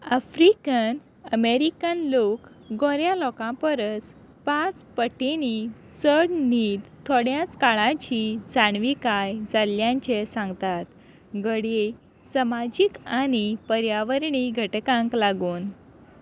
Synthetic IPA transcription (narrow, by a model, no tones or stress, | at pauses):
əfɾikən | əmeɾikənlok | ɡɔ̃ɾjãlɔkãpəɾət͡s | pat͡spəʈːinisəɽniːd̪t̪ʰːoɽjãt͡skaɭãt͡ɕid͡zaɳʋikajd͡zaljãɲt͡ɕesãŋɡt̪at̪ | ɡəɽe | səmad͡ʑikanipəɾjaʋəɾɳiɡʱəʈkãŋklaɡuːn